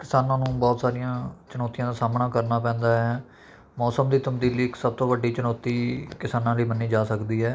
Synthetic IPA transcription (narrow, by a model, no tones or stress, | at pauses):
kɪsaːnãːnũːbɔːt̪saːɾɪjãːt͡ʃənɔːt̪ːijãːd̪aːsaːmnaːkəɾnaːpɛ̃ːnd̪aːɦɛː | mɔːsəmd̪iːt̪əmd̪iːliːksəb̚t̪õːʋəɖːiːt͡ʃənɔːt̪iːkɪsaːnãːləiːməniːd͡ʒaːsəkd̪iːɦɛː